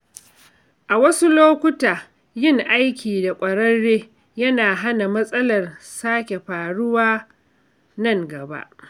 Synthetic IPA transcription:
ʔa˨wɐ˦su˦loː˦kʷʊ˦taː˨ | jɪ˦˨ŋʔa˦jkʲʰiː˨da˨kʷʼɐ˨ɽɐː˦eː˦ | jɐ˦naː˨ɦa˦na˨mɐ˦sʼɐ˦lɐ˨rsaː˦kʲe˨ɸaː˨ɽʊ˦waː˦ | nɐ˦˨ŋɡɐ˨ba̰˦ʔ

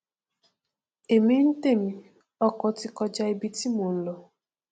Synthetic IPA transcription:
e˨me˦n̩˦te˦˨mi˨ | ɔ˦kɔ˦tɪ˦kɔ˦d͡ʒa˦e˦bi˦ti˦mu˨˦lɔ˨

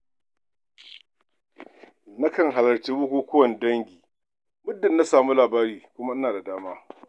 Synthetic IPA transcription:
na˦kɐ˨ŋɦa˨lɐ˨ɾt͡ʃeː˦wʊ˦kʷoː˦kʷʊ˦wɐ˨n˦dɐ˦ŋɡʲiː˨ | mʊ˦dːɐ˨nːa˦saː˨mu˦laː˨baː˦ɾiː˨kʷʊ˦ma˦ʔɪ˦naː˨da˨daː˦maː˦

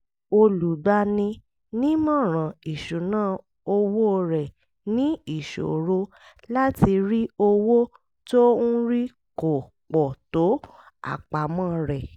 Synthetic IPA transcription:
o˧lu˨ɡ͡ba˧˦nĩ˧ | nĩ˦mɔ̃˦˨ɾ̃ã˨i˨ʃu˨nãː˦˨ | o˧wo˦˧ɾɛ˨ | nĩ˦i˦˨ʃo̰˨ɾo˧ | la˦ti˧ɾi˦o˧wo˦ | to˦ũ˦ɾi˦ | ko˨ | k͡pɔ˨to˨˦ | a̰˦˨k͡pa˨mãː˦˨ɾɛ˨

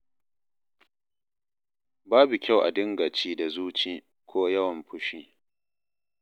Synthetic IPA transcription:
baː˦bu˨kʲa˦˨wʔa̰˨dɪ˦ŋɡa˨t͡ʃiː˦da˨zuː˦t͡ʃiː˦ | kʷoː˦jɐ˦wɐ˨mɸʊ˦ʃiː˦

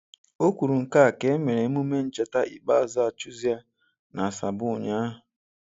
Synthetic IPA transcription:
o˦kʷu˨ɾu˨ŋ̩˨ka˦˨ke˨˦e˦me˨ɾe˨˦mu˦me˦n̩˦t͡ʃa˦ta˦ʔḭ˨k͡pa˦˨za˦˨t͡ʃu˦zi˦a˦ | na˨a˨sa˨bʊ˦˨ɲa˦ɦʊ˨

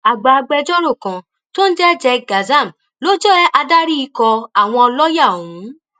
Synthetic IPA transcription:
a˨ɡ͡ba˨˧ɡ͡bɛ˧d͡ʒɔ˦ɾo˦˨kã˨ | to˦n̩˦d͡ʒɛ˦d͡ʒɛ˧ɡa˨za˦˨m˨ | lo˦d͡ʒɛ˦ʔa˧da˦ɾi˦i˧kɔ˧a˨w̃ɔ̃˧ɔ˧lɔ˦ja˦˨ũ˨˦

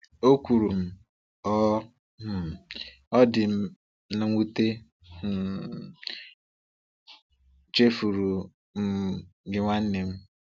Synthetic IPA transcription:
o˦kʷu˨ɾu˨m̩˦ | ɔ˦˨ | ɔ˦dɪ˨m̩˦ | na˨ŋʷu˦te˦˨ | t͡ʃe˦fu˨ɾu˨ | m̩˦˨ɡɪ˦ŋʷa˦n̩˦ne˨m̩˦

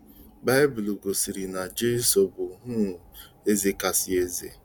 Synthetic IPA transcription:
ba˦ɪ˦bu˨lu˨ɡo˨si˨ɾi˨na˨d͡ʒe˦so˨bʊ˨ɦʊ˦˨ | e˦zi˦ka˨si˨˦e˦zḛ˨

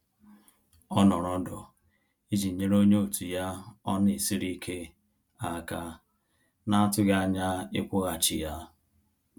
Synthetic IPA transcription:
ɔ˦nɔ˨ɾɔ˦dɔ˨ | i˦d͡ʒi˨ɲe˦ɾo˦ɲe˦o˨tu˨ja˦ɔ˦nɪ˨si˦ɾi˦kʰe˦ | a˨ka˦ | na˦a˦tʊ˦ɣa˦ɲa˦ɪ˦kʷʊ˦ɣa˨t͡ʃɪ̰˨ja˦

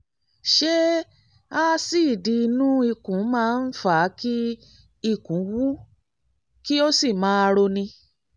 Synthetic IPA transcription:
ʃe˦ | a˦si˦˨di˧nũ˦i˧kũ˨˦mãː˦˧n̩˦fa˨˦ki˦ | i˦˨kũ˨˦wu˦ | ki˦o˦si˦˨mãː˨˦˧ɾo˧nĩ˧

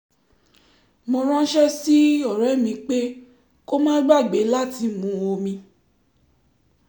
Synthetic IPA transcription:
mɔ̃˧ɾ̃ã˦ʃɛ˦si˦ɔ˦˨ɾɛ˨˦˨mĩ˧k͡pe˦ | ko˦mãː˦ɡ͡ba˦˨ɡ͡be˨˦la˦˨ti˧mũ˨˦o˧mĩ˧

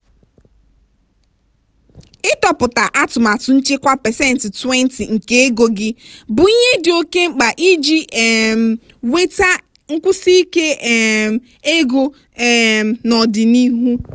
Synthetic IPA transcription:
ɪ˦tɔ˨pʊ˨ta˨ʔa˦tʊ˨ma˨tʊ˨n̩˦t͡ʃɪ˦kʷa˦pɛ˨sɛ˦n̩˨ti˨twɛ˦n̩˨˦ti˨ŋ̩˨ke˦e˦ɡo˨ɡɪ˦bʊ˨i˦ɲe˦dɪ˨o˦ke˦ŋ͡m̩˨k͡pa˨ʔi˦d͡ʒi˦˨m˨ | we˦ta˦ | ŋ̩˦kʷʊ˦si˦i˦ke˦˨ | e˦ɡo˦˨ | nɔ˨dɪ˨ni˦ɦu˦

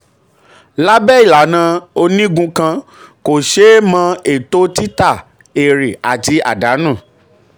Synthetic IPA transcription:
la˦bɛ˦i˦˨la˨nã˨˧o˧nĩ˦ɡũ˧kã˧ | ko˨ʃe˦mã˧e˦˨to˦ti˦ta˦˨ | e˨ɾi˨a˨ti˧˦a̰˦˨da˨˦nũ˦˨

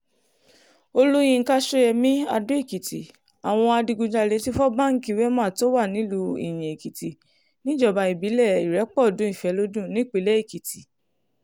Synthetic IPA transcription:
o˧lu˦j̃ĩ˧ŋ̩˧ka˦ʃo˧jɛ˧mĩ˦a˧do˦i˦˨ki˨ti˨ | a˨w̃ɔ̃˧a˧di˧ɡu˧d͡ʒa˧le˧ti˦fɔ˦ba˦˨ŋ̩˦ki˧˦wɛ˦mãː˦˨to˦wa˦˨nĩ˨˦lu˧ḭ˨j̃ĩ˨i˨ki˨ti˨ | nĩ˦d͡ʒɔ˦˨ba˧i˨bi˨˦lɛ˦˨i˨ɾɛ˨˦k͡pɔ˦˨dũ˨˦i˦˨fɛ˨˧˦lo˦dũ˦˨nĩ˦˨k͡pe˨˧lɛ˦i˦˨ki˨ti˨

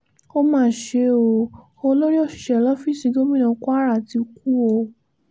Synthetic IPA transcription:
o˦mãː˦˨ʃe˧o˧˨ | o˧lo˦ɾi˦o˦˨ʃi̥˨ʃɛ˨˧˨lɔ˦fi˦˨si˧˦ɡo˦mĩ˦˨nã˧ku˦a˦ɾa˦˨ti˧ku˦˨o˧˨

